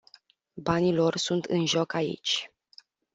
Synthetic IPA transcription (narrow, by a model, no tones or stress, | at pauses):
banilo̞rsunt̪ɨnʒo̞kaḭt͡ʃʲ